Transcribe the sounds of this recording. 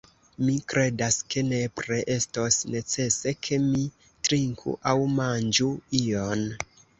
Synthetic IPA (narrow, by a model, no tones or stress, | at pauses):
mikɾʔe̞daske̞ne̞pɾeʔestosne̞t͡se̞se̞kʰe̞mi | tɾiŋkʰṵʔawmand͡ʒuion